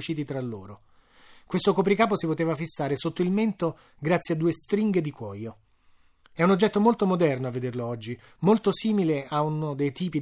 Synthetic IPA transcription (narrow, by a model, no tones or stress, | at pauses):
t͡ʃːiːt̪it̪ɾalːo̰ːɾo | kwest̪okop̬ɾikaːp̬osipot̪eːvafisːaːɾesot̪ːoilment̪o | ɡɾat̪sːjead̪ːuːest̪ɾiŋɡed̪ikwɔjo | ɛunod͡ʒːɛt̪ːomolt̪omod̪ɛrnoavːed̪erloɔd͡ʒːi | molt̪osiːmileaunod̪ejt̪iːpi